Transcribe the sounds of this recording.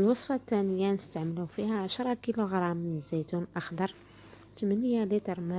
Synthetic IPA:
əlwɑsˤfɑt̪ːænəjːanəst̪aʕməlufihæʕaʃɾˤɑkiluɣɾˤɑmːənəzæjt̪unʔɑxd̪ɑɾˤ | t̪əmənəjalit̪əɾˤmæ

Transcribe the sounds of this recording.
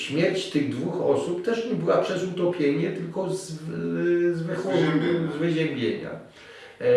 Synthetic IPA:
ɕmʲjɛɾt͡ɕt̪ɘɣd̪vuxɔsupt̪ɛʂɲɛbɘwapʂɛzut̪ɔpʲjeɲɛt̪ɘlkɔz | zvɘxɔɛzvɘʑɛɾbʲjḛɲa̰

